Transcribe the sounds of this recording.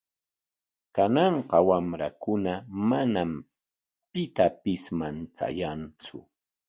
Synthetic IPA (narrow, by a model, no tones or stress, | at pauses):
kanɑɴqɑwamɾakʊnamanam | pɪt̪apɪsmant͡sa̰jant͡sʊ̰